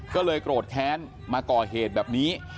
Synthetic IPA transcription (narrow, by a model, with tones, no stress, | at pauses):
kɔː˥˩lɤː˧jkɾoː˨˩t̪̚kʰɛː˦˥n | maː˧kɔː˨˩ɦeː˨˩t̪̚bɛː˨˩p̚niː˦˥